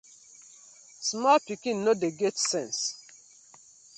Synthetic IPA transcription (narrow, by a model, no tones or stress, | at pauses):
smɔpikĩnːodeɡɛtsɛ̃ns